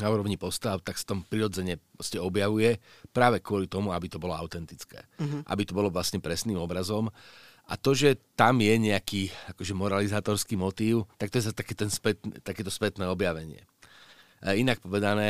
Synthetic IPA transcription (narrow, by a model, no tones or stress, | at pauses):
nauːɾɔʋɲipɔst̪aʊt̪aksḁt̪ɔmpɾiɾɔd͡zɛɲɛppɾɔscɛɔbjaʋujɛpɾaːʋɛkʊɔlit̪ɔmuabit̪ɔbɔlɔaʊt̪ɛnt̪it͡skɛ̰ːʔa̰bit̪ɔbɔlɔʋlasɲɛpɾɛsniːmɔbɾazɔm | ʔa̰t̪ɔʒɛt̪amjɛɲɛakiːakɔʒɛmɔɾalizaːt̪ɔɾskimɔt̪iːʊt̪akt̪ɔjɛzast̪akɛːt̪ɛnspɛt̪nt̪akɛːt̪ɔspɛt̪nɛːɔbjaʋɛɲɪɛ̰ | inak̚pɔʋɛd̪anɛː